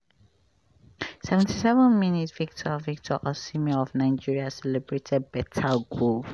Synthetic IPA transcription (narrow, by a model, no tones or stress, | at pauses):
sɛvɛ̃ntisɛvə̃nminitvik̚tʰɔvik̚tʰɔʔɔsimiɔɔvnaɪd͡ʒiɹiasɛlɛbɹetʰɛd̚bɛtʰalɡɹul